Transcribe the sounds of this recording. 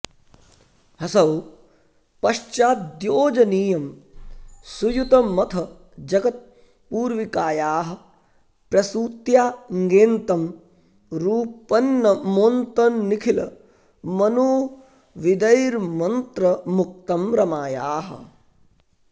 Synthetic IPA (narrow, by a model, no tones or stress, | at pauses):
ɦɐsɐw | pɐʃt͡ʃaːt̪d̪joːd͡ʒɐniːjɐm | sujut̪ɐmɐt̪ʰɐ | d͡ʒɐɡɐt̪̚ | puːɾʋikaːjaːɦɐ̆ | pɾɐsuːt̪jaːŋɡeːnt̪ɐm | ɾuːpɐnːɐmoːnt̪ɐnːikʰilɐ̰ | mɐnuː | ʋid̪ɐjɾmɐnt̪ɾɐmuk̚t̪ɐmɾɐmaːjaːɦɐ̰̆